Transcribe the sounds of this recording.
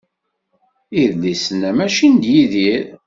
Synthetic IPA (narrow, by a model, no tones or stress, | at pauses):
iðlisənæmæʃind̪jiðiɾ